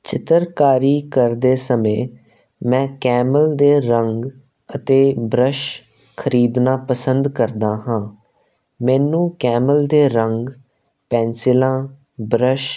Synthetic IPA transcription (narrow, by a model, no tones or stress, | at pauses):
t͡ʃɪt̪əɾkaːɾiːkəɾd̪eːsəmẽː | mɛ̃ːkɛːməld̪eːɾəŋɡ | ət̪eːbɾəʃ | kʰəɾiːd̪nãːpəsənd̪kəɾd̪aːɦãː | mɛːnũːkɛːməld̪eːɾəŋɡ | pɛ̃ːnsɪlãː | bɾəʃ